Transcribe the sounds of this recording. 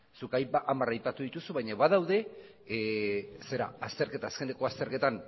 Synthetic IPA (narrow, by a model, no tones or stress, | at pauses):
sukajpaʔamarajpat̪uð̞it̪usuβajɲaβaðawðe̞ | se̞ɾa̰ast̪e̞ɾke̞t̪aːske̞ne̞ko̞ast̪e̞ɾke̞t̪an